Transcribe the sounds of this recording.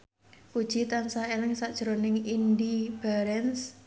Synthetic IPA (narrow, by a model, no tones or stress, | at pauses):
kud̥ʒ̥i̤t̪ansaelɪŋsad̥ʒ̥ɾonɪŋindib̥aɾɛns